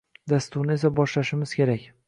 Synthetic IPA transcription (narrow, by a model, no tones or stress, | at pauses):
d̪ast̪ʊɾnɪe̞sabɒʃlaʃɪmɪz̥kʲʰe̞ɾakʲ